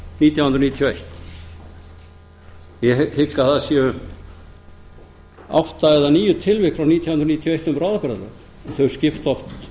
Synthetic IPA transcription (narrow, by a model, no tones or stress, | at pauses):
niːt̪jawhʏnɾniːt̪ʰjejht̪ | jɛhɪkːaθasɛʏ | a̰wht̪aɛðaniːjʏt̪ʰɪlvɪhkfɾawniːt̪ʰjawʏnɾniːt̪ʰjɔejht̪ʏmvɾaːðkɾðalœ̰ːk | θœɥɣ̥scɪft̪ɔft̪